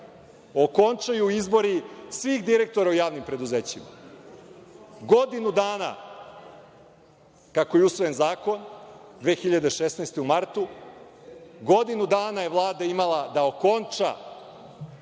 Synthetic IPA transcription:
o̞ko̞nt͡ʃajuizbo̞ɾisʋixd̪iɾe̞k̚t̪o̞ɾaujaːʋnimpɾe̞d̪uzeːt͡ɕima̰ | ɡo̞d̪inud̪aːna̰ | kako̞jeusʋojenzaːko̞nd̪ʋe̞ːxiʎad̪eʃesnajst̪eumaɾt̪u | ɡo̞d̪inud̪aːnaje̞ʋlˠaːd̪aimalˠad̪aoko̞nt͡ʃa̰

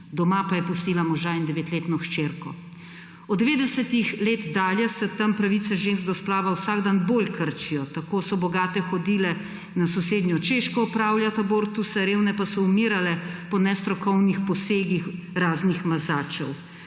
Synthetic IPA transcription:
d̪ɔmapajɛpust̪iːlamɔʒaind̪ɛʋeːt̪leːt̪nɔʃt͡ʃeːɾkɔ̰ | ɔd̪d̪ːɛʋeːd̪ɛsɛt̪ixleːt̪d̪aːljɛsɛt̪ampɾaʋit̪sɛʒensk̚d̪ɔsplaːʋawsaːɡd̪anboːlkəɾt͡ʃijɔt̪akosɔbɔɡaːt̪ɛxɔd̪iːlɛ | nasɔseːd̪njɔt͡ʃeʃkɔːpɾaːwljat̪aboːɾt̪usɛɾeːwnɛpasɔumiːɾalɛpɔnɛst̪ɾɔkɔwnixpɔseːɡix | ɾaːznixmazaːt͡ʃɛ̰w

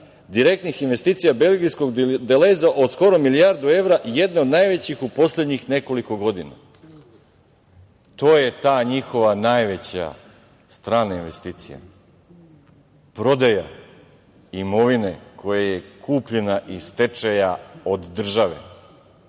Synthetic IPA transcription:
d̪iɾe̞k̚t̪nixinʋe̞st̪iːt̪sijabe̞lɡijsko̞ɡd̪elezaʔo̞d̪sko̞ɾo̞milijaɾd̪ue̞ʋɾaʔije̞d̪neod̪najʋe̞t͡ɕixupo̞sled̪ɲixne̞ko̞liko̞ɡo̞d̪ina̰ | t̪o̞ːje̞t̪aːɲixo̞ʋanajʋet͡ɕa̰ | st̪ɾaːnainʋe̞st̪iːt̪sḭja̰ | pɾo̞d̪aja | imo̞ʋinekʰo̞jajekʰuːpʎenaʔist̪et͡ʃajaod̪ːr̩ʒaʋe̞̰

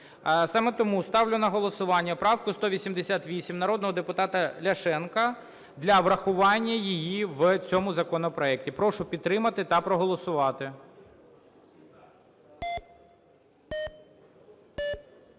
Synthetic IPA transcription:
sɑmɛt̪ɔmust̪ɑwlʲʊnɐɦɔlˠɔsʊʋɑnʲːɐpɾɑwkʊst̪ɔʋʲisʲimd̪esʲat̪ʋʲisʲimnɐɾɔd̪nɔɦɔd̪epʊt̪ɑt̪ɐlʲɐʃɛnkɐ | d̪lʲɐʋɾɐxʊʋɑnʲːɐjijiʋt͡sʲɔmʊzɐkɔnɔpɾɔɛk̚tʲipɾɔʃʊpʲid̪̚t̪ːɾɪmɐt̪ɪt̪ɐpɾɔɦɔlˠɔsʊʋɑt̪ɪ

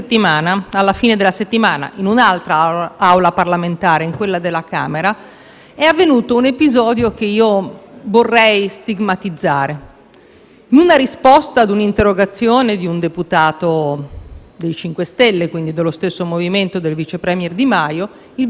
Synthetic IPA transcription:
t̪ːimaːnaalːafiːned̪elːaset̪ːimaːna̰ʔinunalt̪ɾaawlaparlament̪aːɾeiŋkwelːad̪elːaka̰ːmeɾa | ɛavːenuːt̪ounepizɔːd̪jokeiːovorːɛjst̪iɡmat̪id̪zːaːɾe | nunaɾispɔst̪aːd̪unint̪erːoɡat̪sːjoːned̪iund̪eput̪aːt̪o | d̪ejt͡ʃiŋkwest̪ɛlːekwind̪id̪alːost̪esːomoviment̪od̪elvit͡ʃepɾɛmjɛrd̪imajo | il

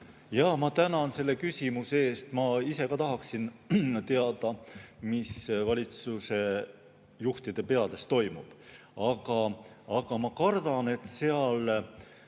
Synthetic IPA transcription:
jɑmɑt̪ænɑnse̞lːe̞kysʲimusee̞ːst̪mɑise̞kɑt̪ɑɦɑksint̪e̞ɑd̪̥ɑmisvɑlʲit̪suse̞ | juht̪id̪̥e̞pe̞ɑd̪̥e̞st̪ːo̞jmub̥ | ɑɡ̥ɑ | ɑɡ̥ɑmɑkɑrd̪̥ɑne̞t̪se̞ɑl

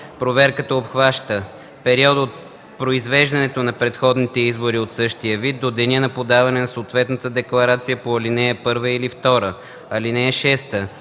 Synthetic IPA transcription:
pɾovɛɾkət̪əopxvaʃt̪ə | pɛɾiɔd̪ot̪̚ | pɾoizvɛʒd̪ɐnɛt̪onɐpɾɛt̪xɔd̪nit̪ɛizboɾiot̪sɤʃt̪ijəvid̪̚d̪od̪ɛnʲɛnɐpod̪avɐnɛnɐsoːt̪vɛt̪nət̪əd̪ɛklˠɐɾat̪sijəpoɐlinɛɛpɤɾvəilift̪ɔɾə | ɐlinɛɛʃɛst̪ə

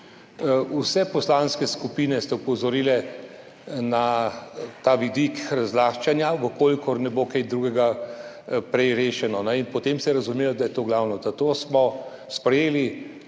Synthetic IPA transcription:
usɛpɔslanskɛskupiːnɛst̪ɛupɔzɔɾiːlɛ | na | t̪aːʋid̪ikɾazlaːxt͡ʃanjaʋəkolikɔɾnɛbokajd̪ɾuːɡɛɡa | pɾɛjɾeːʃɛnɔnɛinpɔt̪emsɛjɛɾazumeːlɔd̪ajɛt̪oːɡlawnɔzat̪oːsmɔ | spɾɛjeːli

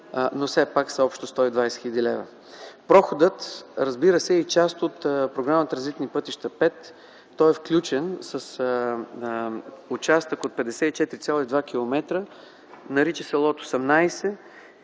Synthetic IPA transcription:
nofsɛpaksɐɔpʃt̪ost̪ɔid̪vajsɛ̥xʲɛd̪ʲilɛvə̰ | pɾɔxod̪ət̪ɾɐzbiɾəsɛit͡ʃast̪ot̪pɾoɡɾamət̪əɾɐzvit̪ɛnipɤt̪iʃt̪əpɛt̪ː | ɔɛfklʲut͡ʃɛnsəs | ʊt͡ʃast̪əkot̪̚pɛd̪ɛsɛit͡ʃɛt̪ɾisʲalˠoid̪vakʲilˠomɛt̪ɾə | nɐɾit͡ʃəsɛlˠɔt̪oosɛmnajsɛ

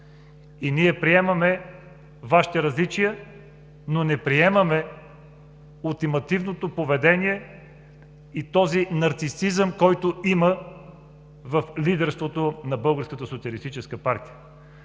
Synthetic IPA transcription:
iniɛpɾiɛmɐmɛ | vaʃi̥t̪ɛɾɐzlit͡ʃijə | nonɛpɾiɛmɐmɛ | ulˠt̪imɐt̪ivnot̪opovɛd̪ɛniɛ | it̪ɔzinɐɾt̪sisizəmkɔjt̪oimə | vɐflid̪ɛɾst̪vot̪onɐbɤlˠɡəɾskət̪əsot̪siəlist̪it͡ʃɛskəpaɾt̪ijə

